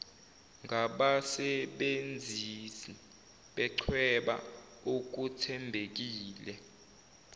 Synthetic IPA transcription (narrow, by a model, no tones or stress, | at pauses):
ŋʱaɓasɛɓend͡zʱisi | ɓɛǀʰwɛɓa̰ | ok̬utʰɛmbʱek̬iːlɛ